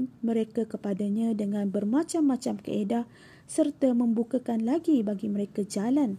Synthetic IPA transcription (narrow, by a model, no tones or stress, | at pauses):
nmə̃ɾekakəpadaɲãdəŋãnbərmãt͡ʃamːãt͡ʃamkə̰edaʔ | sərt̪amə̃mbukakanlaɡibaɡimə̃ɾekad͡ʒalan